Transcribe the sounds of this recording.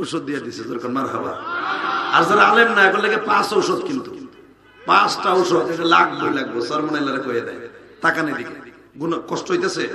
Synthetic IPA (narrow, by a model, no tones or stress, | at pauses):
wsɔd̪̚ːijad̪isezɔɾkʰɔnmaɾɦaba̰ | aɾzaɾaalemnajkɔnlekepãsɔwsɔd̪̚kint̪u | pãsʈaɔwsɔd̪ʈelakʰlojlaɡ̚bɔsɔɾmɔɽajlaɾekɔjad̪a̰j | t̪akaned̪ike | ɡunkɔsʈɔɦɔjt̪ase